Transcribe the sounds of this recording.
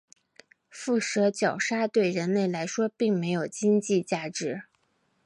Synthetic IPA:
fu˥˩ʂɤ˧˥t͡ɕjɑ˨˩ʊʂa˥t̪we˥˩ɪɻə˧˥nle˥˩ɪla˧˥ɪʂwɔ˥pi˥˩ŋme˧˥ɪjo˨˩ʊt͡ɕi˥ŋt͡ɕi˥˧t͡ɕja˥˩ʈ͡ʂɻ̩˧˥

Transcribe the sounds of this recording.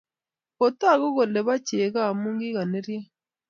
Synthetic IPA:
o˨ta˦˨ɣo˦ɣo˨le˨βa˦ce˨ɣa˦˨muː˦ŋɡi˦ɣa˨ne˦ɾja˦

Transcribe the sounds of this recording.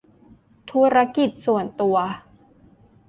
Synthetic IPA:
t̪ʰu˦˥ɾa˦˥ki˨˩t̪̚su˨˩ənt̪u˧ɐ

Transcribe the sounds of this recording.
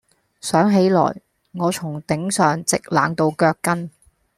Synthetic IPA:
sœː˨˥ŋɦe˨˥jlɔ̰ː˨˩j | ŋɔː˨˧t͡sʰʊ˨˩ŋt̪ɪ˨˥ŋsœː˨ŋt͡sɪ˨k̚la̰ː˨˧ŋt̪o˧wkœː˧kːɐ˥n

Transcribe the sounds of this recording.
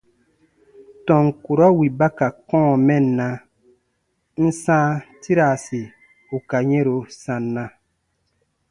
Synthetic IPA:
tɔ̃˨ŋ˨ku˨ɾɔ˦wi˨ba˦ka˨kɔ̃ː˦mɛ˦˨nːã˦ | n̩˦sãː˦ti˦ɾa˨si˨ | u˨ka˨ɲɛ̃˦ɾo˨sã˨nːã˦

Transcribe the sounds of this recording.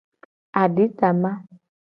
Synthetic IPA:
a˨di˨˦ta˨ma˦

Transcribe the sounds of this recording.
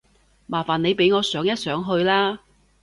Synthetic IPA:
maː˨˩faː˨ne˨˧jpe˨˥jŋɔː˨˧sœː˨˥ŋjɐ˥t̚sœː˨˥ŋɦɵ˧ɥlaː˥

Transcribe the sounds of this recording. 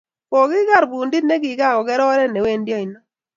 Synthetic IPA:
kɔ˨ɡɪ˦ɡa˦ɾbu˨ndi˦ne˦ɡi˨ɡa˦˨kɔ˨kɛ˦ɾɔ˦ɔ˦ɾɛ˦nɛ˨we˦˨ndjɔ˦i˨nɔ˦

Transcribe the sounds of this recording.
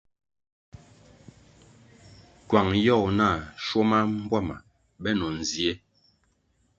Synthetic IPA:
kwa˨ŋjɔ˦˨na˦˨ʃo˦ma˦m˦bwa˦˨ma̰˨ | bɛ˦nɔ˨n̩˨zi˨e˦

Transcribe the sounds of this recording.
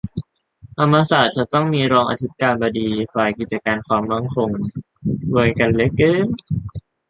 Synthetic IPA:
ʔ̪ʰa˧mːaː˧saː˨˩t̪̚t͡ɕa˨˩t̪ɔ˥˩ŋmiː˧ɾɔː˧ŋʔa̰˧t̪ʰi˦˥t̪̚kaː˧nbɔː˧diː˧faː˨˩jki˨˩t͡ɕa˧kaː˧nkʰwaː˧˩mːa˦˧˩ŋkʰo˧ŋ | wu˧jka˧˩nle˦˥kːɯː˧˥˩ŋ

